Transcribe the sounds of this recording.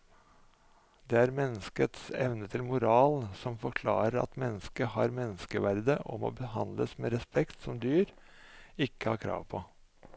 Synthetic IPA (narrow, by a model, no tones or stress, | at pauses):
d̪eːæɾmɛnːəskət̪sɛ̰ʋnət̪ʰɪlmʊɾɑːlsɔmfɔɾkʰlɑ̰ːɾəɾɑ̰t̪mɛnːəskəhɑɾmɛnːəskəʋæɾd̪əʔɔ̰mɔ̰ːbəhɑnd̪ləsmeːɾɛspɛkt̪sɔmd̪yːɾ | ɪkːəhɑ̰ɾkʰɾɑ̰ːʋpʰɔ